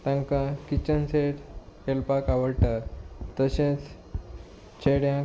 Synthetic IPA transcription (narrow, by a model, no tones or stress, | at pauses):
t̪ãŋkãkit͡ɕənseʈkelpakaʋəɽʈat̪əɕẽt͡s | t͡ɕʰeɽjã